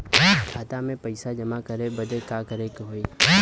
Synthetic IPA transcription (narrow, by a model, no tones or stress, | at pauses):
kʰaːt̪amẽpɐɪsad͡ʒɐmakɐɾebɐd̪ekakəɾekɦoːi